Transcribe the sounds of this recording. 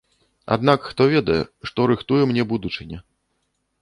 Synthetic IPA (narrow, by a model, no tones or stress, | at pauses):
a̰d̪nakxt̪ɔvʲɛd̪ɐjɛ̰ʂt̪ɔɾɨxt̪ujɛmnʲɛbud̪ut͡ʂɨnʲɛ